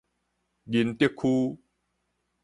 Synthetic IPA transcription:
ɡi˧nt̪ji˥˦kʰːu˦

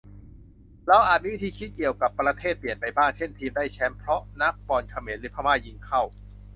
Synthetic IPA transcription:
ɾɛaː˦˥wʔaː˨˩miː˦˥i˦˥t̪ʰiː˧kʰi˦˥t̪̚ki˨˩əwka˨˩pːɾa˧t̪ʰeː˥˩t̪̚pli˨˩ənpa˧jbaː˥˩ŋt͡ɕʰe˥˩nt̪ʰiː˧mdaː˥˩jt͡ɕʰɛ˦˥mpʰɾɔ˦˥na˦˥k̚pɔː˨˩nkʰa˧meː˩˦nɾɯː˩˦pʰaː˧waː˥˩ji˧˥ŋkʰa˥˩w

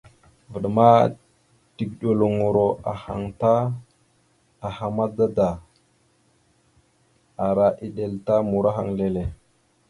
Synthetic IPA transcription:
və˨ɗma˦ | ti˨ɡ̚ɗo˨lo˨ŋo˨ɾo˨a˨ha̰˨ŋta˦ | a˨ha˨ma˦da˦da˨ | a˨ɾa˨ʔi˨ɗe˨lta˦mu˨ɾa˦ɦa˨ŋle˨le˨

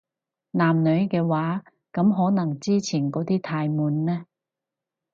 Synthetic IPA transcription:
naː˨mnɵ˨˧ɥkɛː˧waː˨˥ | kɐ˨˧˥mɦɔː˨˥nɐ˨˩ŋt͡siː˥t͡sʰiː˨˩nkɔː˨˥t̪iː˥t̪ʰaː˧jmuː˨˥nːɛː˥

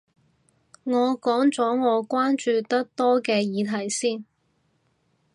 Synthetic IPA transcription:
ŋɔː˨˧kɔː˨˥ŋt͡sɔː˨˥ŋɔː˨˧kʷaː˥nt͡ʃyː˧t̪ɐ˥k̚t̪ɔː˥kɛː˧jiː˨˧t̪ʰɐ˨˩jsiː˥˩n

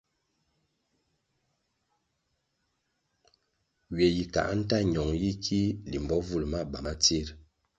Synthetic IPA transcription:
ɥe˨ji˨ka̰˨ʔn̩˦ta˦˨ɲɔ˨ŋji˦kʰi˦li˨m˨bɔ˦vu˦lma˦˨ba˨ma˦t͡si˦˨ɾ

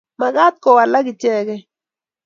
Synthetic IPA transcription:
ma˨ɡa˦t̪̚kɔ˨wa˨la˦ɡɪ˨t͡ʃjɛ˦ɡɛ˦

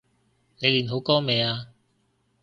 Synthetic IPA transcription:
ne˨˧jliː˨˩nɦo˨˧˥wkɔː˥mɛː˨˧aː˧

